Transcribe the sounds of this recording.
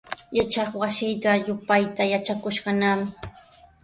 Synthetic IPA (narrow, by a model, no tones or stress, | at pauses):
jat͡ʃɑχwaʃɪjt̪ajʊpajt̪ajat͡ʃakʊʃɢɑnamɪ